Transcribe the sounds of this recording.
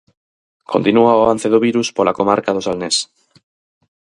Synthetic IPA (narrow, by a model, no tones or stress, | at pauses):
kʰont̪inuaβanθeð̞oβiɾuspolakomaɾkaðosalnes